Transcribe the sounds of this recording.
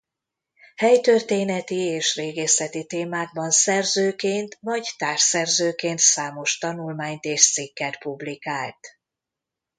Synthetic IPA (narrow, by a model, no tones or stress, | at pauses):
hɛjt̪ørt̪eːnɛt̪ieːʃreːɡeːsɛt̪it̪eːmaːɡ̚bɒnsɛrzøːkeːnt̪nɒɟt̪aːrʃsɛrzøːkeːnt̪saːmo̞ʃt̪ɒnulmaːɲt̪eːʃt̪sikːɛt̪publikaːlt̪